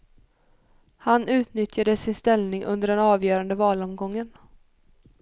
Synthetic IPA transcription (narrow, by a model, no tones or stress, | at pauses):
hanʉ̟ːt̪nʏt̪jad̪əsɪnst̪ɛlnɪŋʔɵ̰nd̪əɖɛnɑːvjœːɾand̪əvɑːlɔmɡɔŋːən